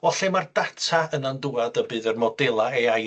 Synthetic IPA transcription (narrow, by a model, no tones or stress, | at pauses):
ɔɬɛmardatʰaənanduadəbɨːðərmɔdɛlˠaɛaj